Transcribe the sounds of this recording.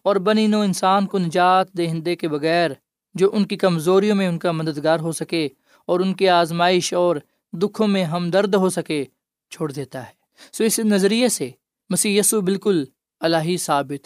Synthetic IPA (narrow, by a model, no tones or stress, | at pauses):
ɔːɾbɐninõɪnsaːnkonɐd͡ʒaːt̪̚d̪eːɦɪ̃nd̪ekebɐɣɛːɾ | d͡ʒoːʔʊnkikɐmzoːɾijõmẽʊnkamɐd̪əd̪ɡaːɾɦosɐke | ɔːɾʊnkeaːzmaːɪʃɔːɾ | d̪ʊkʰõmẽɦɐmd̪ɐɾd̪ɦosɐke | t͡ʃʰoːɽd̪eːt̪aɦɛː | soːɪsnɐzɾijese | mɐsiːɦjɐːsubɪlkʊl | ɐlaːɦisaːbɪt̪